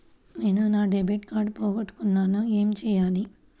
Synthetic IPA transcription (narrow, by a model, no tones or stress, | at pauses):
neːnunaːɖebiːʈkaːɾɖpɔːɡɐʈːu̥kunːaːnue̞ːmt͡ʃɛːjaːli